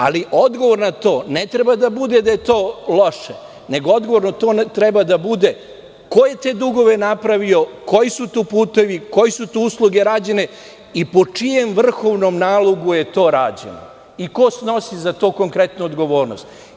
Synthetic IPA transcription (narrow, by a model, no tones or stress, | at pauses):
a̰liʔod̪ɡo̞ʋo̞ɾnat̪oːne̞t̪ɾe̞bad̪abud̪ed̪aje̞t̪o̞ːlo̞ʃe | ne̞ɡoo̞d̪ɡo̞ʋo̞ɾnot̪o̞ːnt̪ɾebad̪abud̪e̞ | ko̞je̞t̪e̞ːd̪uɡo̞ʋe̞napɾaʋio̞ko̞jisut̪oːpuːt̪e̞ʋiko̞jisut̪ousluɡe̞ɾaːd͡ʑe̞ne̞ | ipo̞t͡ʂije̞mʋr̩xo̞ʋno̞mnaːlˠoɡuje̞t̪o̞ːɾaːd͡ʑḛno̰ | iko̞sno̞sizat̪oːko̞ŋkɾe̞t̪nuod̪ɡo̞ʋo̞ːɾnost̪